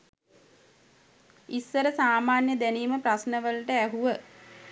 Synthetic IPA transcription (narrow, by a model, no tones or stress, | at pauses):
isːəɾəsaːmaːnjəd̪æniːməprasnəʋəlʈəæɦuʋə